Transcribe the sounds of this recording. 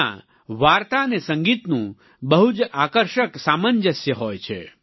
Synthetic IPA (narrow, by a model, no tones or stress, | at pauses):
ã̰ | ʋaɾt̪anesə̃ŋɡit̪nũ | bəɦud͡ʒakəɾʃəksamənd͡ʒəsjəɦojt͡ʃʰḛ